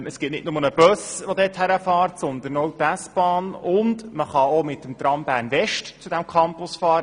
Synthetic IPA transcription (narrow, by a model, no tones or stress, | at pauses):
əsɡ̥ɪt̚nɪtnʊmənəb̥œsʋod̪ɛːthæɾəfɑːrtsɔnd̪ənɔwpæsb̥ɑːnʊndməχɑomɪtːəmt̪ɾɑmbæːɾnvɛʃtt͡sud̥æmkʰɑmpʊsfɑːɾə